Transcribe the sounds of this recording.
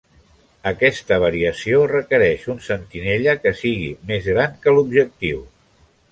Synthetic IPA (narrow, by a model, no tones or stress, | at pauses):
əkɛst̪əβ̞əɾiəsiorəkəɾɛʃunsənt̪ineʎəkəsiɣḭmezɣɾaŋkəlubʒək̚t̪iw